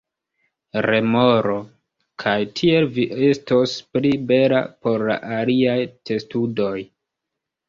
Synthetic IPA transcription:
ɾe̞mo̞ɾo̞ | kʰajtʰie̞lviʔe̞stosplibe̞la̰po̞ɾla̰ʔaliajte̞studo̞j

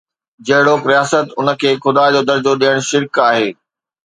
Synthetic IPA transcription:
d͡ʑɐɦɪɽopɾijaːsət̪ʊnə̆kʰeːxʊd̪aːd͡ʑoːd̪ɐɾd͡ʑoɗijəɽ̃ʃɪɾkaːɦeː

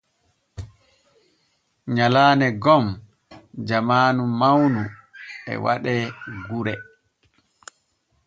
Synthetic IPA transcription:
ɲalaːnɛɡɔm | d͡ʒamaːnumawnuɛ̰wa̰ɗɛɡuɾɛ

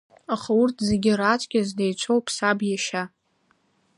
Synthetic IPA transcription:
aχaʊrtʰzeɡʲɪrat͡ʃʷʼkʲɪzdejt͡ʃʷʰowpʰsabjaʃa

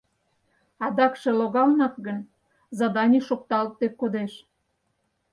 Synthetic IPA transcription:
ɑd̪ɑkʃeloɣɑlnɑt̪ɣən | zɑd̪ɑnʲiʃok̚t̪ɑlt̪ːekod̪eʃ

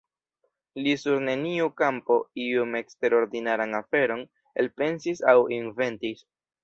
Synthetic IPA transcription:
lisuɾne̞niukampo̞iume̞kste̞ɾo̞ɾdinaɾanafe̞ɾo̞n | e̞̰lpe̞nsisawinve̞ntis

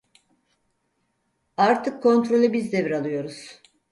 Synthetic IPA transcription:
aɾt̪ʰɯkʰːo̞nt̪ɾo̞lʲɛbizd̪ebiɾalˠɯjo̞ɾuz̥

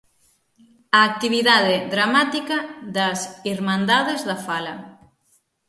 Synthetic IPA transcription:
aːk̚t̪iβiðaðeðɾamat̪ikɐðɐsiɾmãnd̪aðezðɐfalɐ

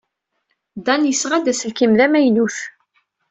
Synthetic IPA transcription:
d̪ænjəsʁæd̪æsəlkimðæmæjnuθ

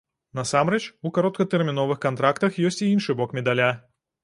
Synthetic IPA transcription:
nɐsamɾɛt͡ʃukaɾɔt̪̚kɐt̪ɛrmʲinɔvɨxkant̪ɾakt̪ɐxjɔsʲt͡sʲiinʂɨbɔkmʲɛd̪alʲa

